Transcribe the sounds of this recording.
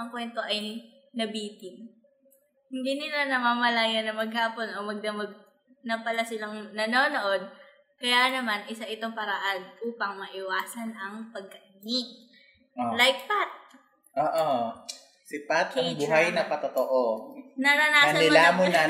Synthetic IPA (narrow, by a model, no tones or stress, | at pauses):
ʔɐŋkwɛnt̪o̞ʔɐj | nɐbiːt̪ɪn | hɪnd̪inɪlanɐmaːmɐlajɐnːɐmɐɡ̚haːpo̞nʔomɐɡ̚nɐmɐɡ̚ | nɐpɐlasɪlaŋnɐno̞ːno̞ʔo̞d̪̚ | kɐjanɐmanʔɪsaʔɪt̪o̞ŋpɐɾɐʔanʔuːpɐŋmɐʔɪwaːsɐnʔɐŋpɐɡ̚kɐʔɡin | olajt̪̚pat̪̚ | ʔoːʔo | sɪpat̪̚ŋbʊɦajnɐpɐt̪ot̪oʔonɐnɐnaːɐnɐɪlamonɐ